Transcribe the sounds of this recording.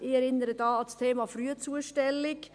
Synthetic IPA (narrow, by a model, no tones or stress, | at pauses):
ɪɛɾɪnəɾədɑːɑlst̪ʰeːmɑfryət͡suəʃtɛlɪk